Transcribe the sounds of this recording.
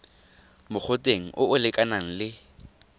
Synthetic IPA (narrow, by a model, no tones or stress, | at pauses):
mʊk͡xʰʊtʼeŋ̩ʔʊʊlɪkʼanaŋ̩lɪ